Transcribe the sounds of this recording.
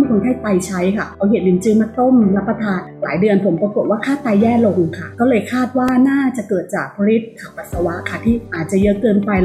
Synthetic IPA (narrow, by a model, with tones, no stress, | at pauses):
kʰo˧nt̪ʰaː˥˩jt̪a˧jt͡ɕʰa˦˥jkʰa˥˩ɔː˧˦ɦeː˨˩t̪̚li˨˩˦nt͡ɕɯː˧maː˧t̪o˥˩mla˦˥pːa˧t̪ʰaː˧nla̰ː˩˦jdɯ˧ənpʰo˨˩˦mppu˨˩t̪̚waː˥˩kʰaː˥˩t̪aː˧jːɛː˥˩lo˧ŋkʰa˥˩kɔː˥˩lɤː˧jkʰaː˥˩t̪̚waː˥˩naː˥˩t͡ɕa˨˩kɤː˨˩t̪̚t͡ɕaː˨˩k̚pʰa˧li˦˥t̪̚kʰa˨˩wpa˨˩t̪̚sa˧wa˦˥ʔkʰa˥˩t̪ʰiː˥˩ʔaː˨˩t̪̚t͡ɕa˨˩jɤ˦˥kɤː˧npa˧j